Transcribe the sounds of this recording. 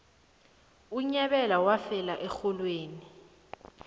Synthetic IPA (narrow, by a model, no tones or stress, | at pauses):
uɲɛɓɛlawafɛlaʔɛxɔlweːni